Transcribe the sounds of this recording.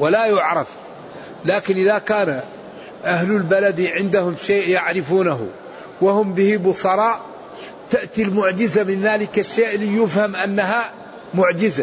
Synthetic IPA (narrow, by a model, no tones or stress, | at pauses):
walajʊʕɾˤɑf | laːkɪnʔɪðakaːna | ʔahlʊlbalad̪ʕɪnd̪ahʊmʃeːʔjaʕɾɪfuːnaɦʊ̰ | wahʊmbɪhibʊsˤɑɾˤɑːʔ | t̪aʔt̪ilmʊʕd͡ʒɪzamɪnðaːlɪkaʃːeːʔlijʊfhamʔanːaɦa | mʊʕd͡ʒɪza